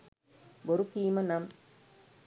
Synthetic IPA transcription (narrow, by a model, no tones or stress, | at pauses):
boɾukːiːmɐnɐm